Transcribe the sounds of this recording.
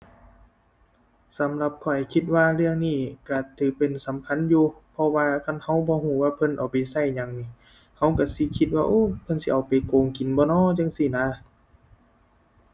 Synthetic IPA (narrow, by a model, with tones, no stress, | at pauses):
sa˨˦mla˧p̚kʰɔ˨˩jkʰi˧t̪̚waː˧lɯ˧əŋniː˧˩ka˧˩t̪ʰɯː˨˦pe˨nsa˨˦mkʰa˧˥˨njuː˧pʰɔ˧waː˧kʰa˧˥˨nha˧˩wbɔː˧˦huː˧˩˨waː˧pʰɤ˧˥˨nʔa˨˩wpa˨˩jsa˧˩jɲa˨ŋni˧˨ | ha˧˩wka˧˩si˧˦kʰi˧t̪̚waː˧ʔoː˧˥˨pʰɤ˧˨nsi˧ʔa˨wpa˨jkoː˨ŋki˨˦nbɔː˧˦nɔː˧˥˨t͡ɕa˧˨ŋsi˧˩˨naː˧˥˨